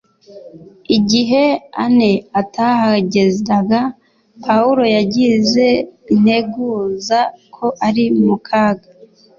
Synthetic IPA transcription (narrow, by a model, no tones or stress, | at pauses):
iɟiɦe̞ane̞atahaɟe̞zɾaɡa | pʰauɾo̞jaɟize̞in̥e̞ɡuzakʰo̞ʔaɾimukʰaːɡa